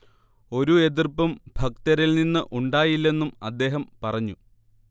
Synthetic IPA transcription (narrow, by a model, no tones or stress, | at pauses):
o̞ɾue̞t̪̬irpːɐmbʱɐk̚t̪ɐɾilninːɨʔuɳɖaːjilːe̞nːumɐd̪ːe̞ːɦɐmpɐrɐɲːu